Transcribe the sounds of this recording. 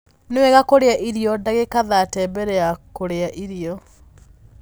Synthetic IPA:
newɛɣakoɾeaʔiɾiɔdaɣekaðatɛːbɛɾɛakoɾeaʔiɾiɔ

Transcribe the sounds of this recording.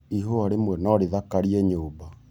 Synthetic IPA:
iɦoaɾemwɛnɔɾeðakaɾiɛɲoːba

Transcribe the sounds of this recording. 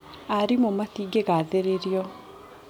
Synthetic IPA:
aɾimomaθiɡeɣaðeɾeɾiɔ

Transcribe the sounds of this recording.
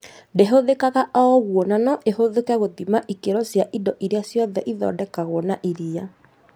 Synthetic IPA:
ndeɦoðekaɣaʔɔɣwɔnanɔʔeɦoðekɛɣotimaʔikeɾɔsjaʔindɔʔiɾeasjɔðɛʔiðɔ̰ːdɛkaɣwɔnaʔiɾia

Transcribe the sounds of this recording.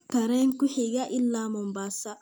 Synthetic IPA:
kaɾɛŋkuhiɡaʔilːamɔmbasa

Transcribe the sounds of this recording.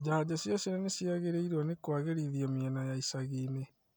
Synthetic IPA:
d͡ʑahad͡ʑasjɔsiɾɛnesjaɣeɾeiɾwɔnekwaɣeɾiðiɔmiɛnajaisaɣiːne

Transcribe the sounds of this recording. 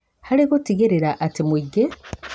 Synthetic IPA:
haɾikotiɡeɾeɾaʔatimuɡe

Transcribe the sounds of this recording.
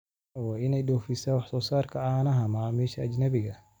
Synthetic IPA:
waːɪnɛjɗɔːfɪsaːwɑħsɔːsaːrkʰɐaːnɐɦɐmɐmɛːʃɐːd͡ʒnɐβɪɣɐ

